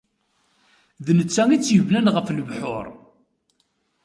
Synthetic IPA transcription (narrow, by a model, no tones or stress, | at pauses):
ðnət͡sːæŋit͡sːjəvnænʁəfləvħʊ̰ɾ